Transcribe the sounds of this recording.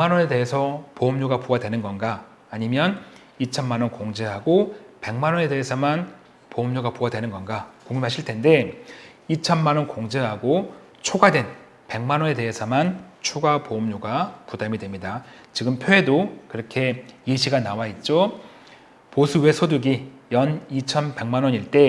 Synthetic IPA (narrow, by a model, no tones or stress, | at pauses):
emanʌne̞de̞ɦesʰʌpoːmɲoɡapoadwe̞nɯnɡʌnɡaː | ɲimjʌn | it͡ɕʰʌnmanʌnkoŋd͡ʑe̞ɦaɡope̞ŋmanʌne̞de̞ɦesʰʌman | poːmɲoɡapoadwenɯnɡʌnɡakoŋɲimɦaɕʰiɭtʰe̞nde̞ | it͡ɕʰʌnmanʌnkoŋd͡ʑe̞ɦaɡo | t͡ɕʰoɡadwe̞n | pe̞ŋmanwʌne̞de̞ɦesʰʌmant͡ɕʰuɡapomɲoɡapudamidwemɲida | t͡ɕiɡɯmpʰjoɦe̞dokɯɾʌkʰe̞iɕʰiɡanawait̚t͡ɕ͈o | posʰuwe̞sʰoduɡijʌnit͡ɕʰʌnpe̞ŋmanwʌɲiɭt͈e̞